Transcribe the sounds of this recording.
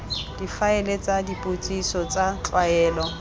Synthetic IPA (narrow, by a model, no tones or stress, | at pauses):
d̥ifaɛlet͡sʼadipʼot͡sʼisɔt͡sʼat͡ɬʼwaɛːlɔ